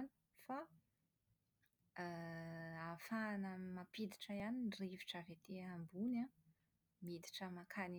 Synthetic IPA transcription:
ni̥ | fa | afanəmapid̪iʈ͡ʂəjaninriviʈ͡ʂəvet̪eambuna | mid̪i̥ʈ͡ʂəmakʰani

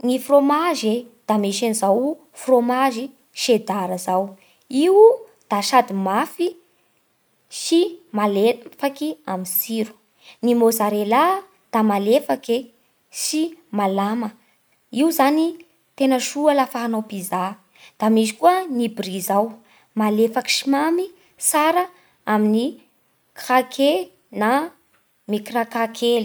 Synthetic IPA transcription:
nifromaʒe | d̪̥amiʃanizaw | fromaʒi | ʃed̪aɾəzaw | iwd̪̥aʃad̪imafi | simalefakiaminsiɾu̥ | nimozaɾela | d̪̥amalefake | simalamə | iwzani | t̪enəʃualafaɦanopiza | d̪̥amizi̥kuənibrizaw | malefaki̥ʃimami | saɾə | amini | kakʰe | na | mikiɾakakʰeli̥

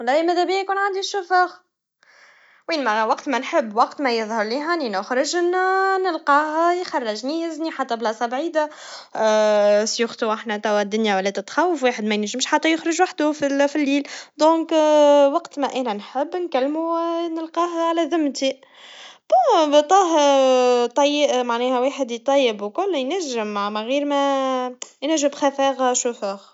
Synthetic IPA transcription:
wɑlˤːɑːimæðæbiæjkuːnʕand̪iʃːʊfɑx | wiːnmæwɑqt̪mænħɪbːwɑqt̪mæjəðˤhɑɾˤliːɦaninʊxɾɪʒnnəlqɑːhæjxɑrˤːɑʒniɪzniħat̪ːæblɑːsˤɑbʕiːd̪a | sjʊxt̪uʔaħnæt̪æwæd̪ːʊnjawælːæt̪ɪt̪xæwːəfwiːħəd̪mæjnʒɪmʃħat̪ːæjʊxɾɪʒwaħd̪ufifilːiːld̪õːkwɑqt̪mæʔæːnænħɪbːnkælːmunəlqɑːɦʕalæðʊmːt̪i | b̥æt̪ˤɑːɦ | t̪ˤːɑjːəʔmaʕnɛːhæweːħəd̪it̪ˤːɑjːəbwkʊlːjnæʒːɪmːaʕmaɣiːɾmæ | jnæʒːɪmbxæfæːɣʃufæɣ

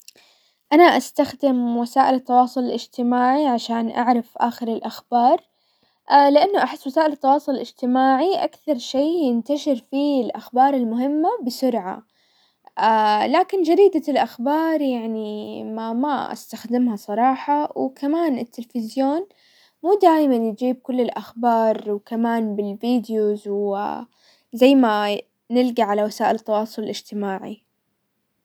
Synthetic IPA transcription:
ʔanaʔast̪axd̪ɪmwasaːʔɪlɪt̪ːɑwɑːsˤʊlɪlɪd͡ʒt̪ɪmaːʕiʕaʃaːnʔa̰ʕɾafʔaːxɪɾɪlʔaxbɑːɾˤ | lɪʔanːʊʔaħɪsːwasaːʔɪlt̪ːɑwɑːsˤʊlɪlɪd͡ʒt̪ɪmaːʕiʔakθɑɾˤʃeːjɪnt̪aʃɪɾfilʔaxbɑːɾˤɪlmʊɦɪmːabɪsʊɾʕa̰ | ʔalaːkɪnd͡ʒad̪iːd̪alʔaxbɑːɾˤjaʕnimama̰ʔa̰st̪axd̪ɪmhasˤɑɾˤɑːħɑwkamaːnɪt̪ːɪlfɪzjoːn | muːd̪aːjmanjɪd͡ʒiːb̚kʊlːɪlʔaxbɑːɾˤwkamaːnbɪlviːd̪juzw | zajːma | nɪlɡiʕalawasaːʔɪlt̪ːɑwɑːsˤʊlɪlʔɪd͡ʒt̪ɪmaːʕḭ

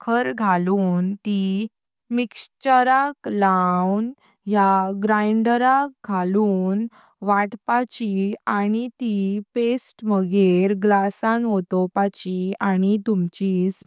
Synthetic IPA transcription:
kʰəɾɡʱaluːnt̪i | mikst͡ɕəɾaklawn | jaɡɾajɳɖəɾak̚ɡʱaluːn | ʋaʈpat͡ɕianit̪ipesʈməɡeɾɡlasãnɦot̪opat͡ɕiañit̪umt͡ɕiːs

